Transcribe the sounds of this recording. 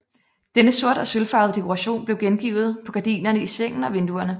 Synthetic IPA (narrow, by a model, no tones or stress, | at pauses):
d̥enəso̝ɐ̰d̥ɒ̽sølfɑ̈ːð̞̩ˠd̥e̝kʰoʁɑ̈ɕo̝̰ːnb̥le̝ʊɡ̥enɡ̥ḭːʊð̞̩ˠpʰɒ̽ɡ̥æd̥ḭːnɐnəiseŋ̰n̩ɒ̽ʋe̝nd̥uɐnə